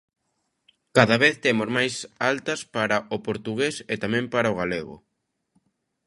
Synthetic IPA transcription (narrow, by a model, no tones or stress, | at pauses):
kaðaβeθt̪emozmajsalt̪ɐspaɾaopoɾt̪uɣeset̪amɛ̃mpaɾaoɣaleɣʊ̰